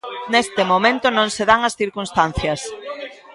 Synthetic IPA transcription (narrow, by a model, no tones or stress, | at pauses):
nest̪ɪmomẽnt̪ʊnõŋseðaŋɐsθiɾkunst̪an̟θjɐs